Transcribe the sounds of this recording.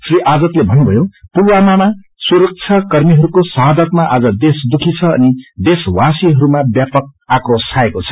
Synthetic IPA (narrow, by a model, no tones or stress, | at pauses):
sriʔad͡zʌt̪lebʱʌnubʱʌjopurwamama | suɾʌk̚t͡sʰʌkʌrmiɦʌɾukosʌɦad̪ʌt̪̚maʔad͡zʌd̪esd̪ukʰit͡sʰʌʌ̰nid̪eswasiɦʌɾumabjapʌk̚akrosʰaekot͡sʰʌ̥